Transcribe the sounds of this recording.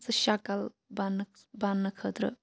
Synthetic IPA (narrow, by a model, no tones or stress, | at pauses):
t͡sɨʃakal | banbanːəkʰət̪ɾə̰